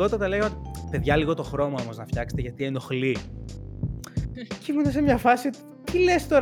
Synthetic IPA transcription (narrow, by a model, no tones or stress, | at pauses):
o̞t̪ɐt̪ɐle̞ɣɐot̪ipe̞ðʝɐliɣo̞t̪o̞xɾo̞mɐo̞mo̞znɐfçɐkset̪eʝɐt̪ieno̞xli | cimunɐsemɲɐfɐsiot̪i | t̪ile̞st̪o̞ɾ